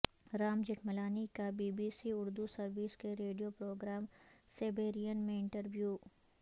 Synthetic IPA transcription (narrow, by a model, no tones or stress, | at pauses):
ɾaːmd͡ʒɪʈmɐlaːnikabiːbiːsiʊɾd̪usɐɾʋiskeɾeːɖijopɾoːɡɾaːmseːbeːɾijənmẽɪ̃ɳʈəɾʋjuː